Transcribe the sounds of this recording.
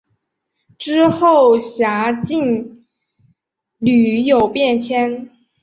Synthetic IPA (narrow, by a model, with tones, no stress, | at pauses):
ʈ͡ʂɻ̩˥xo˥˩ʊɕja˧˥t͡ɕi˥˩n | ly˨˩jo˨˩ʊpjɛ˥˩nt͡ɕʰjɛ˥n